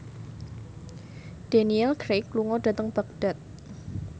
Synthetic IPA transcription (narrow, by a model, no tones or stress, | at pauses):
d̥aniɛlkɾekluŋɔɖa̤t̪əŋb̥ak̚d̥a̤t̪̚